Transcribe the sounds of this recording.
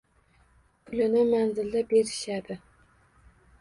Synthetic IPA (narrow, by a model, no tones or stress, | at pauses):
kʲʰʊlɪnɪmænzɪld̪ɛbeɾɪʃæd̪ɪ